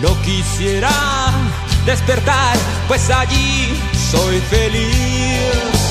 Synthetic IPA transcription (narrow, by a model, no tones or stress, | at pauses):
nõkisjeɾa | d̪espeɾt̪aɾ | pwesaʎi | sojfeli | s